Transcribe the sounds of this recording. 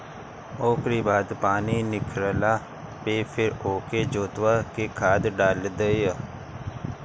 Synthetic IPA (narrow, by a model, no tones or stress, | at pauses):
oːkɾiːbaːd̪paːniːnɪkʰɾəlaː | peːpʰɪɾoːkeːd͡ʒoːt̪ʋaːkeːkʰaːd̪ɖaːld̪ejaː